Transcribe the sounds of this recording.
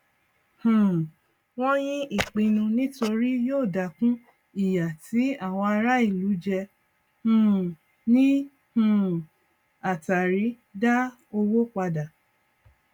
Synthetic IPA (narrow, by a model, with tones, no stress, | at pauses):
hũ˨ | w̃ɔ̃˦j̃ĩ˦ʔi˦˨k͡pĩ˧nũ˧nĩ˦to˧ɾi˦joː˦˨da˨kũ˦ | i˦˨ja˨ti˨˦a˦˨w̃ɔ̃˧a˧ɾa˦i˦˨lu˨˦d͡ʒɛ˧ | hũ˨ | nĩ˦ | hũ˨ | a˨ta˨ɾi˨˦ | da˦ | o˧wo˦k͡pa˧da˨